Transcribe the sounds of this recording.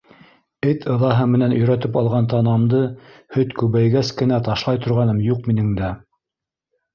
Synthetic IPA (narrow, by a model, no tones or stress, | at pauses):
ɘt̪ʰɤ̆ðɑɦɤmɘ̆nænɵ̆jɾæt̪ɘpɑlˠʁɑnt̪ɑnɑmd̪ɤhɵt̪kʉβæjɡæskɘ̆næt̪ɑʃlˠɑjt̪ŏɾʁɑnɤmjuq̚minɘ̆ŋd̪æ